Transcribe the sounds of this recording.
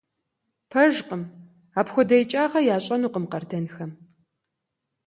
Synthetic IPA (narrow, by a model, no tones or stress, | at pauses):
pʰɐʒqʼəm | aːpxʷɔdɐjt͡ʃʼaːʁɐjaːɕʼɐnuːqəmqɐrdɐnxɐm